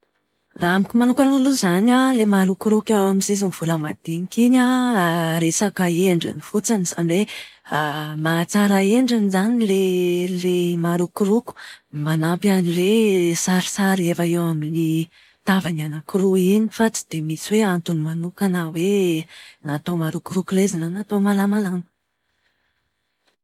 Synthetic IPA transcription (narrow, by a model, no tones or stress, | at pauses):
raamikʲimanukanuluzanalemaɾukuɾukewamizezunv̥uləmad̪̥enikiɲa | ɾesakaeɳɖ͡ʐḭnifut͡saniz̥anwe | mat͡saɾaeɳɖ͡ʐinizanilelemaɾukuɾuku̥manapjanilesaɾi̥saɾefəewamini | t̪avananakiɾuiɲifat͡si̥d̪̥emisiweant̪unimanukanawe | nat̪omaɾukuɾukulezinanat̪omalamalamə̥